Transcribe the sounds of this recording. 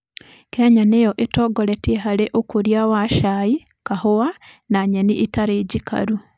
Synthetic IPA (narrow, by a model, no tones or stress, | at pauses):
kɛɲanejɔʔetɔːɡɔɾɛtiɦaɾeʔokoɾjawaʃai | kahowanaɲɛniʔitaɾeːɟika̰ɾu